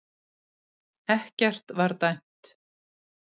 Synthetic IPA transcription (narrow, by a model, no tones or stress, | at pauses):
ɛhcɛr̥t̪vaɾt̪ajn̥t̪